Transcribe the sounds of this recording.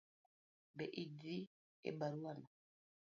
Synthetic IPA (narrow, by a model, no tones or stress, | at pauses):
bɛʔidi | ɛ̰baɾuwana